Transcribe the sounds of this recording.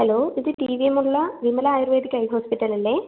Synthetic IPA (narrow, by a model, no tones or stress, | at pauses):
hɐloːiðɨʈiːʋiemuɭːɐʋimɐlɐaːjirʋeːd̪ikʲːɐjɦoːspiʈːɐlilːe